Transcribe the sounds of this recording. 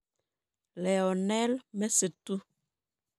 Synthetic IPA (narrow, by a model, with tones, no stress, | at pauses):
lɛ˨ɔ˨nɛ˦lmɛ˦sə˨tu˦